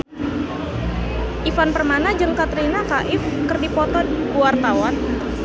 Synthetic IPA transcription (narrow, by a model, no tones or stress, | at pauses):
ʔifanpərmanad͡ʒəŋkat̪ɾinakaʔɪfkərdipɔt̪ɔdkuwart̪awan